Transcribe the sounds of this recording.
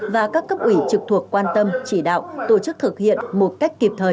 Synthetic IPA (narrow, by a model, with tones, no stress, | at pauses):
vaː˨˩kaː˦˥kːə˦˥p̚ʔwi˧˩t͡ɕɨ˨˩k̚t̪ʰu˨˩əkkwaː˧nt̪ə˧mt͡ɕi˧˩ɗa̰ː˧˨wt̪o˧˩t͡ɕɨ˦˥k̚t̪ʰɨ˨˩k̚hḭ˧˨ənmo˨˩t̚ka˦˥jk̟̚ki˨˩p̚t̪ʰəː˨˩